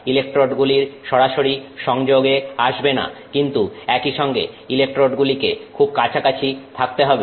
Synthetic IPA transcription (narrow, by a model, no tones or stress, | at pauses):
ilek̚ʈɾoɖɡuliɾʃɔɽaʃoɾiʃɔŋd͡ʑoɡeaʃbena̰kint̪uɛkiʃɔŋɡḛ | ilek̚ʈɾoɖɡulikekʰub̚kat͡ɕʰakat͡ɕʰit̪ʰak̚t̪eɦɔbe